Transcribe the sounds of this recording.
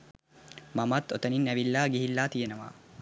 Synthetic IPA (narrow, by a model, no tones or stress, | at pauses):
mamat̪ot̪əninæʋilːaːɡiɦilːaːt̪ijenəʋa̰ː